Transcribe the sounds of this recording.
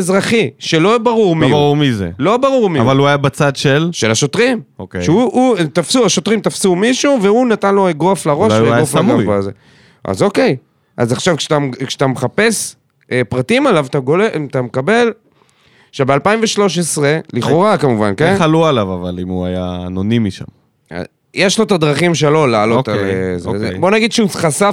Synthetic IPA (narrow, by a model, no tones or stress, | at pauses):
ezʁaχiʃelo̞baʁuʁmaʁuʁmizḛlo̞baʁuʁmivaluajabat͡sad̪ʃelʃe̞laʃo̞t̪ʁimokeʃeuut̪afsuaʃo̞t̪ʁimt̪afsumiʃuveunat̪anlo̞eɡoaflaʁoʃjaoflamɡajoazḛ | ʔa̰zo̞ke̞j | ʔa̰zaχʃavkat̪amkʃat̪ameχape̞s | epʁatimalavt̪aɡoleʔt̪amekabe̞l | ʃebealpaiɱveʃlo̞ʃ̬esʁe̞liχo̞ʁakamuvankenalualavavalimuajanonimiʃa̰m | a̰ | jeʃlot̪ad̪ʁaχimʃ̬elo̞laːlo̞t̪alezezebo̞naɡid̪ʃeuχasa